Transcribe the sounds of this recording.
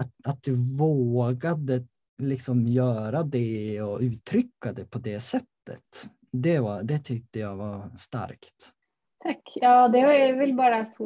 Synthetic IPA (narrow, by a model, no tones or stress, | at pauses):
aat̪̚d̪ɵvoːɡad̪ə | lɪksɔmjœːɾad̪ɛɔʉ̟ːt̪ʰɾʏkːad̪ɛpʰɔd̪ɛsɛt̪ːə̰t̪ | d̪ɛvɑɾd̪ɛt̪ʰʏk̚t̪əjaɡvast̪a̰ɾkt̪ | t̪ʰakːjɑːd̪ɛvɑɛvɛlbɑːɾasɔ